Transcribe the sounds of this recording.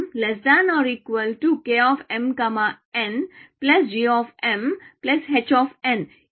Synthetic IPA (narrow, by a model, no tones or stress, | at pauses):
mlesd̪ãnɔɾiːkʋəlʈukeɔfɛ̃mkɐmə | ɛ̃nplɐsd͡ʒiɔfɛ̃mplesɦet͡ʃɔfɛ̃n